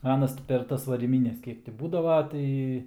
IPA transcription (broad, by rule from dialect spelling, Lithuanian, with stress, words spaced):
ˈɑːnɐs tʲɪ pʲɛr ˈtɐs ʋɐrʲiːˈmʲiːnʲɛs ˈkʲiɛk tʲɪ ˈbuːdɐʋɐ ˈtɐɪ